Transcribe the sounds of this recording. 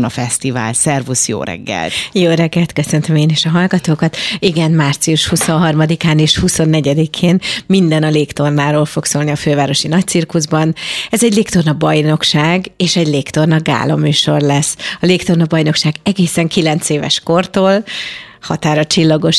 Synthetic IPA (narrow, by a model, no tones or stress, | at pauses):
nɒfɛst̪iva̰ːlsɛrvusjo̰ːɾɛ̰ɡːɛ̰lt̪joːɾɛɡːɛlt̪køsønt̪ømeːniːʃɒɦɒlɡɒt̪oːkɒt̪iɡɛnmaːrt̪sijuʃhusõ̞ɦɒrmɒd̪ikaːneːʃhuso̞nːɛɟɛd̪ikʰeːnmind̪ɛnɒleːkt̪o̞rnaːɾoːlfo̞ksoːlniɒføːvaːɾo̞ʃinɒc̚t̪sirkuzbɒnɛzɛɟleːkt̪o̞rnɒbɒjno̞kʃaːɡeːʃɛɟleːkt̪o̞rnɒɡa̰ːlo̰myːʃo̞̰rlɛsːɒleːkt̪o̞rnɒbɒjno̞kʃaːɡɛɡeːsɛŋkilɛnt̪seːvɛ̰ʃko̞rt̪oːlhɒt̪aːɾɒt͡ʃilːɒɡo̞ʃ